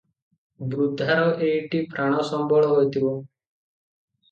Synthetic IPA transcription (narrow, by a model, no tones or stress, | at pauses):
bɾud̪ʱaɾɔʔeiʈipɾaɽ̃ɔsɔmbɔɭɔɦojt̪ʰibɔ